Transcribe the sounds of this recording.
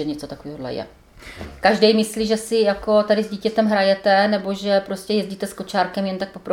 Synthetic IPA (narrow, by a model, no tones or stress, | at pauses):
ɛɲɛt͡sot̪akoviːɦodlɛ̰jɛ̰ | kaʒdɛjmɪsliːʒɛsɪjako̞t̪adɪzɟiːcɛt̪ɛmɦɾajɛt̪ɛnɛbo̞ʒɛpɾoscɛjɛzɟiːt̪ɛsko̞t͡ʃaːɾkɛmjɛnt̪ak̚popɾo